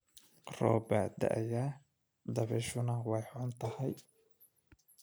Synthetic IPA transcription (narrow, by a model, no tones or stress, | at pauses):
rɔ̰ːbaːd̪ɐ̰ʔɐjaː | d̪ɐβɛʃʊnɐwɑjħʊnt̪ʰɐhɛj